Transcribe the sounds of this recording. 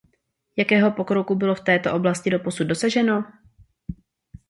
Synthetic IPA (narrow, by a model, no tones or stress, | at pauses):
jakɛːɦo̞po̞kɾo̞kubɪloft̪ɛːt̪oʔo̞blascɪdo̞posud̪̚do̞saʒɛno̞